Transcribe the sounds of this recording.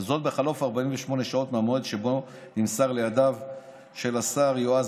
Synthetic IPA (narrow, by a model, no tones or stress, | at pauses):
zo̞t̪̚beχalo̞faʁbaimveʃmo̞ne̞ʃao̞t̪meamoed̪ʃe̞bo | nimsaʁlejad̪av | ʃe̞lasaʁjoaz